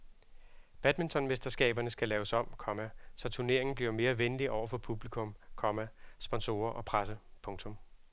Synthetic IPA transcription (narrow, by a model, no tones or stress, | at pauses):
b̥æd̥mint͡sʰɒ̽nmesd̥ɐsɡ̥ɛ̰ːb̥ɐnəsɡ̥ælɛːʊsɒ̽m̰kʰɒ̽mæsɒ̽t͡sʰuɐne̝ɐ̰e̝ŋn̩bliɐme̝ːɐʋenliʔɒʊɐfɒ̽pʰub̥likʰɔ̽mkʰɒ̽mæsb̥ɒ̽nso̝̰ːɐʔɒ̽pʰʁasəpʰɔ̽ŋt͡sʰɔ̽m